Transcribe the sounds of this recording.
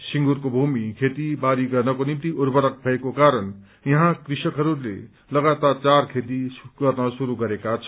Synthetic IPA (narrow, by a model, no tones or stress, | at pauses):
siŋɡuɾkobʱumikʰet̪ibaɾiɡʌrnʌkonimt̪iʔurbʌɾʌk̚bʱʌekokaɾʌn | jʌɦãkrisʌkɦʌɾulḛ | lʌɡat̪art͡sarkʰet̪iɡʌrnʌsuɾuɡʌɾekat͡sʰʌ